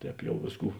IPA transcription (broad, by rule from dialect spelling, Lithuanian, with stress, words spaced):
ˈtʲɛːp ˈjɛʊ ˈʋʲeːsˌkuː